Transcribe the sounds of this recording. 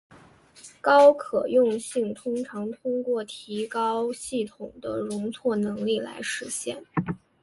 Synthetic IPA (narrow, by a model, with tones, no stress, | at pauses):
kɑ˥ʊkʰɤ˨˩jʊ˥˧ŋɕi˥˩ŋt̪ʰʊ˥ŋʈ͡ʂʰɑ˧˥ŋt̪ʰʊ˥ŋkwɔ˥˩t̪ʰi˧˥kɑ˥ʊɕi˥˩t̪ʰʊ˨˩ŋd̪ə̰˦ɻʊ˧˥ŋt͡sʰwɔ˥˩nɤ˧˥ŋli˥˩la̰˧˥ɪʂɻ̩˧˥ɕjɛ̰˥˩n